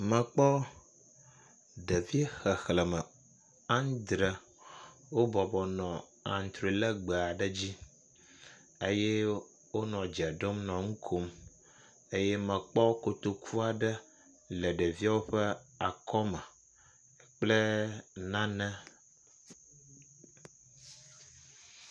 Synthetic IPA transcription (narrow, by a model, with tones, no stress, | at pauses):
mə̃˨k͡pɔ˦ | ɖə˨vi˦e˦xə˨xlə˨mə˨ | ã˦ŋ˦d̪ɾə˨ | wo˦bɔ˨bɔ˨nɔ̃˨ | ã̰˨n˨t̪ɾi˨lə˦ɡ͡bə˨a˨ɖə˦d͡ʑi˦ | e˦jɛ˦ | wo˦nɔ̃˨d͡ʒa˨ɖo˦mnɔ̃˨ŋũ˦kʰo˦m | e˦je˦mə̃˨k͡pɔ˦ko˨t̪o˦kʰu˦a˨ɖə˦ | lə˨ɖə˨vi˦a˦wo˦ɸə˦a˨kɔ˦mə˨ | k͡plə˦nã˦nɛ̃˦